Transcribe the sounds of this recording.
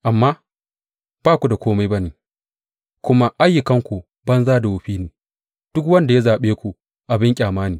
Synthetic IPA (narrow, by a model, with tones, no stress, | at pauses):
ʔa˨mːaː˦ | b̥aː˦˨kʷu˨da˨kʷoː˦ma˦jbɐ˦niː˨ | kʷʊ˦ma˦ʔa˦jːɪ˨kɐ˦ŋkʷu˨ | bɐ˦nzaː˦da˨wʊ˨ɸiː˦niː˨ | d̥ʊ˦kwɐ˦nda˨ja˦zaː˨ɓeː˦kʷu˨ | ʔa˨bɪ˦ŋkʲʼaː˨maː˦niː˨